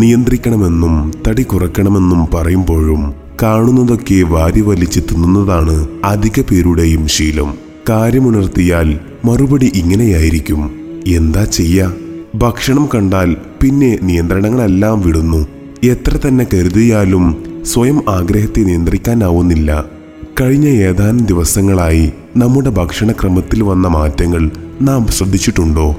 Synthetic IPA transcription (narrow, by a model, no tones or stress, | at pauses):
nijɐnd̪rikʲːɐɳɐme̞nːumt̪ɐɽikurɐkːɐɳɐme̞nːumpɐrɐjumbo̞ːɻum | kaːɳunːɐðo̞kːe̞ʋaːɾjɐʋɐlit͡ɕːit̪ːunːunːɐðaːɳɨɐd̪ʱiɣɐpe̞ːɾuɽe̞jumɕiːlɐ̰m | kaːɾjɐmunɐrt̪ijaːl | mɐrubɐɽiʔiŋːɐne̞jaːjiɾikʲːume̞nd̪aːt͡ɕe̞jːɐbʱɐkʂɐɳɐmkɐɳɖaːlpinːe̞nijɐnd̪rɐɳɐŋːɐɭe̞lːaːmʋiɽunːu | e̞t̪rɐt̪ɐnːe̞kɐɾuðijaːlumsʋɐjɐmaːɡɾɐɦɐt̪ːenijɐnd̪rikʲːaːnaːʋunːilːɐ̰ | kɐɻiɲːɐjeːðaːnɐmd̪iʋɐsɐŋːɐɭaːji | nɐmːuɽe̞bʱɐkʂɐɳɐkrɐmɐt̪ːilʋɐnːɐmaːtːɐŋːɐɭnaːmɕrɐd̪ʱːit͡ɕːiʈːuɳɖo̞ː